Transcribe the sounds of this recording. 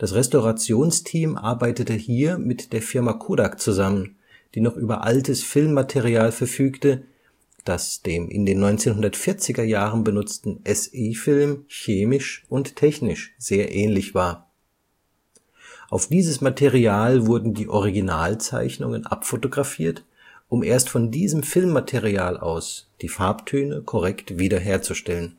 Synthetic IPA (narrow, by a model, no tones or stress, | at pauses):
d̥asʁɛstoʁat͡sjoːnstʰiːmʔa̰ɐbaɪtətəhiːɐmɪtd̥eːɐfɪɐmakʰuːdakt͡suzamən | d̥iːnɔχʔyːbɐ̰ʔaltəsfɪlmːatʰeʁiaːlfɛɐfyːktə | d̥asd̥eːmʔɪ̰ndeːnːɔʏnt͡seːnɦʊndɐtfɪɐt͡sɪɡɐjaːʁənbənʊt͡stn̩ʔɛseːfɪlmçeːmɪʃʔʊnttʰɛçnɪʃz̥eːɐʔɛːnlɪçv̥aːɐ | ʔaʊfd̥iːzəsmatʰeʁiaːlvʊɐdn̩diːʔɔʁ̞iɡinaːlt͡sa̰ɪçnʊŋənʔa̰pfotoɡʁafiːɐt | ʔʊmʔeːɐstfɔndiːzəmfɪlmːatʰeʁiaːlʔa̰ʊsd̥iːfaɐptʰøːnəkʰɔʁɛktv̥iːdɐɦeːɐt͡suʃtɛlən